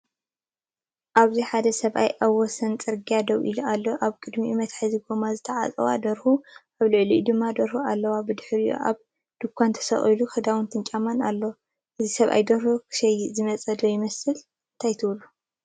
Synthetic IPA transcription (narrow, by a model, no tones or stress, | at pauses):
ʔaβziħad̪ɐsɐβʔa̰jʔawːɔsɐnt͡sʼɨɾɡijad̪ɐwʔḭlualːoʔaβkʼɨd̪mimɐt̪ħɨziɡomazɨt̪ʰɐʕa̰t͡sʼɐ̰wa̰d̪ɐɾhuʔaβlɨʕluʔid̪ɨmːad̪ɐɾhualːɐwabɨd̪ɨħɨɾijo̰ʔa̰β | d̪̥ɨkʰʷːant̪ʰɐ̥sɐ̰χʼɐluxɨd̪awɨnt̪ʰɨnt͡ʃʼamanalːo | ʔɨzisɐβʔa̰jd̪ɐɾhokʰɨ̥ʃɐjzɨmɐt͡sʼɐd̪ojɪmɐsɨl | nt̪ʰajt̪ʰɨwlu